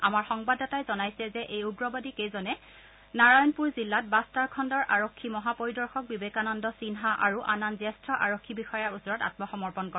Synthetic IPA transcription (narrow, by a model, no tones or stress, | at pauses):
amaɹxɔŋbadɔtajzɔnajsɛzɛʔejuɡɹɔbɔdikejzɔnɛ | naɹajɔnpuɹzilːat̚bastaɹkʰɔndɔɹʔaɹokʰːimɔɦapoɹidɔɹxɔk̚bibekanɔndɔsinɦaʔa̰ɹuʔananzɛstɹɔʔaɹokʰːibixɔjaɹusɔɹɔta̰t̚mɔxɔmɔɹpɔnkɔ